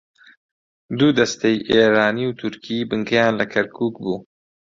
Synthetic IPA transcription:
d̪uːd̪ɐst̪ejʔeːɾaːniːwt̪ʰʊɾkʰibɨŋɡɛjaːnlɐkʰɐɾkʰuːk̚buː

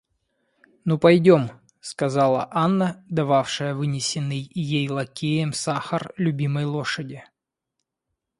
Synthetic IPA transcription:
nupɐjdʲom | skɐzɑlˠə̰ʔanːəd̪ɐvafʂəjəvɨnʲɪsʲɪnɨjjejlˠɐkʲejɪmsaxərlʲʉbʲiməjlˠo̞ʂədʲɪ

